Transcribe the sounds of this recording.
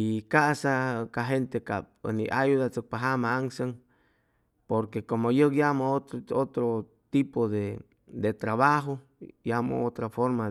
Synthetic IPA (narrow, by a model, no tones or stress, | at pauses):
ikasakaɦent̪eka̰p̚ə̰nḭʔajuðat͡sək̚paɦamaaŋsəŋ | poɾkekomojəkjamooot̪ɾo | t̪ipoðe | d̪et̪ɾaβaɦo | jamo̰ot̪ɾafoɾma